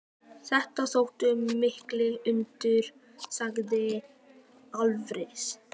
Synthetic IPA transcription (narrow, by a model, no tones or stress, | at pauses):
θɛht̪aθowht̪ʏːɪhklɪɣʏnt̪ɪɾ̥ | saɣðɪ | alvɾɪs